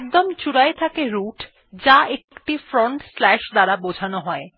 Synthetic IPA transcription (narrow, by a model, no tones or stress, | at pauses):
kd̪omt͡ɕuɽaet̪ʰakeɾuʈ | d͡ʑaekkʈifɾoɳʈslɛʃd̪aɾabod͡ʑʱanoɦɔe